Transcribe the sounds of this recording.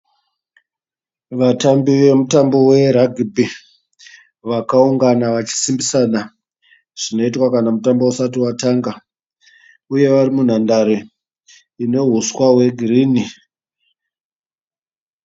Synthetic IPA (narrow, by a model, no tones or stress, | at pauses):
ʋatambiʋe̞mutambo̞we̞ɾaɡʱibʱi | ʋakauŋɡanaʋat͡ʃi̥simbisana | ʐ̥ino̞itwakanamutambousatiwataŋɡa | uje̞ʋarimun̤andaɾe | ino̞ɦuswawe̞ɡʱiriːni